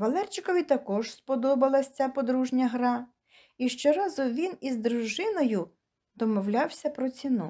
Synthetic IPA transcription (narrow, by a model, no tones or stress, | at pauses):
ʋɐlˠɛrt͡ʃɪkɔʋʲit̪ɐkɔʒspɔd̪ɔbɐlˠɐsʲt͡sʲapɔd̪ɾuʒnʲɐɦɾɑ | iʃt͡ʃɔɾɑzʊʋʲinizd̪ɾʊʒɪnɔjʊ | d̪ɔmɔwlʲɑwsʲɐpɾɔt͡sʲinṵ